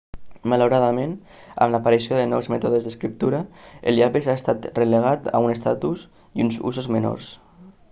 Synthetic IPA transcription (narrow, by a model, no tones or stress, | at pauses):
malowɾaðamen | a̰mlapaɾisjoðənɔwzmɛt̪oðəzðəskɾip̚t̪uɾaḛljaβezaest̪at̪rəleɣ̞at̪a̰unest̪at̪us | iunzṵzozmeno̰ɾs